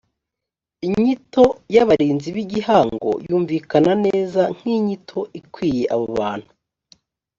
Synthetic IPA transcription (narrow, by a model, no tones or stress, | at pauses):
iɲito̞jaβaɾiːnziβiɟihaːŋɡo̞̰juːɱvikanane̞ːzaŋ̥hiɲitʰo̞ʔikwiːje̞ʔaβoβaːn̥u